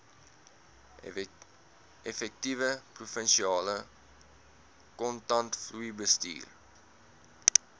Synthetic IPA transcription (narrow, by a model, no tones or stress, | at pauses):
efɛk̚tivəprufənʃiɑːlə | kɔntɐntfluibəstḭːr